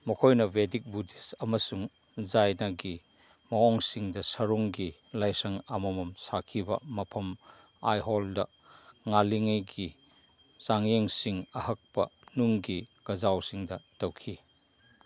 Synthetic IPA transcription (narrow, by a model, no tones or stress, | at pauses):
mɐkʰɔjnɐvedik̚budisɐmɐsuŋ | zajnɐɡi | mɐɔŋsiŋdɐsɐɾuŋɡi | lɐjsɐŋamɐmɐmsakʰibɐ̰mɐpʰɐm | ajɦɔldɐ | ŋaliŋejɡi | saŋjeŋsiŋɐhɐk̚pɐ̰nuŋɡikɐzawsiŋdɐtɐwkʰi